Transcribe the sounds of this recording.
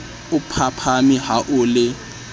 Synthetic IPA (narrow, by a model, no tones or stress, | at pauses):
ʊpʰapʰamiɦaʔʊlɪ